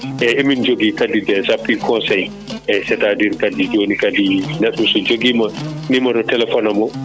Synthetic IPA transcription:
ʔɛʔimind͡ʒoɡikadidɛsapːikɔnsɛj | ʔɛsɛtadiɾkadid͡ʒonikadinɛɗːusɔd͡ʒoɡimanimɔɗɔtɛlɛfɔnamɔ

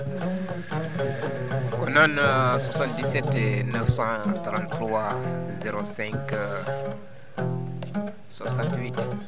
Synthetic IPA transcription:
kɔnɔnswasɑ̃nt̪̚d̪isɛt̪enɛfsɑ̃t̪ɾãntɾwazɛɾosɛ̃ŋk | swasɑ̃nt̪wit̪

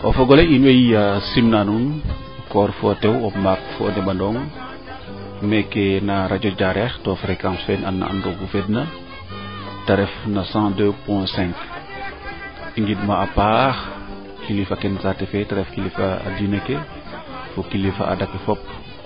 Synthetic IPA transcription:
ʔɔfɔɡɔlɛinwejijasimnanun | kɔːɾfɔtɛwɔpmak̚fɔndɛbɐndɔŋ | mɛkːɛnaɾad͡ʒɔd͡ʒaɾɛxtɔfɾɛkanfɛna̰nːa̰a̰ndɔɡufɛdnɐ | taɾɛfnɐsãːdøpɔ̃sɛ̃ŋk | iŋɡid̚maːpaːx | kilifɐkɛnsatɛfɛtaɾɛfkilifɐɐ̰dinɐkɛ | fɔkilifɐ̰ʔa̰dakːɛfɔp̚

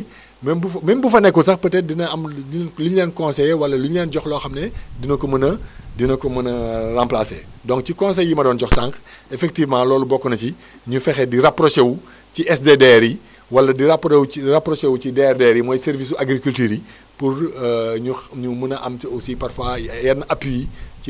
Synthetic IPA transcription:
mɛmbufmɛmbufɐnɛkːusɐxpətɛdinɐɐmluɲɐnkɔ̃nsɛjwɐlːɐluɲɐnɟɔxlɔːxɐmnɛdinɐkɔmɐnɐdinɐkɔmɐnɐrãmplasḛːdɔ̃ŋk̚cikɔ̃ns̬ɛjːimɐdɔːnɟɔxsãŋk | ɛfɛk̚tiːvmãlɔːlubɔkːɔnɐsi | ɲufɛxɛdiɾaprɔʃewu | ciɛsdedɛɾi | wɐlːɐdiɾɐpɾewirɐprɔʃewucidɛrdɛːɾimɔːjsɛɾvis̬uaɡɾikyltyːɾi | purɲuɲumunɐʔɐmosipɐrfwaːjɐnɐʔɐpːijii

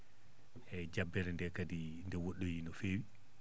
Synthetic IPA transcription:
ɛd͡ʒabːɛɾɛndɛkadi | ndɛwoɗːojinɔfeːwi

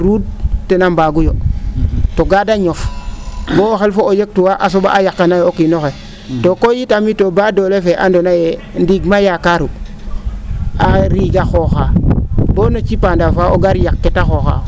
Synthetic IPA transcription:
ɾud̚tenambaɡujo | toɡadaɲofɡoxelfoojek̚tuwaʔas̬oba̰ʔajakːanajookinoxe | tokojitamitobadolefeʔa̰ndonaje | ndiɡmajakaɾu | aɾiɡaxoxabonot͡ʃipandafaoɡaɾjakːetaxoxa̰

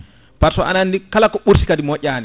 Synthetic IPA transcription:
paɾtɔʔa̰nandikalakɔɓuɾsi̥kadimɔʔʲaːnɛ

